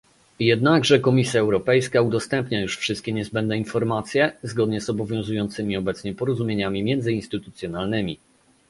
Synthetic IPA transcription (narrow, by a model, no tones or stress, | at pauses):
jɛd̪naɡʐɛkɔmʲisʲjaɛwɾɔpɛjskaud̪ɔst̪ɛmpɲajuʂfʂɘst̪kʲɛɲɛzbɛnd̪̚nɛinfɔɾmat̪sʲjɛzɡɔd̪ɲɛzɔbɔvʲjɔ̃w̃zujɔnt̪sɘmʲiɔbɛt̪sɲɛpɔɾɔzumʲjeɲamʲimʲjɛnd̪zɘinst̪ɘt̪u̥t̪sʲjɔnalnɘmʲi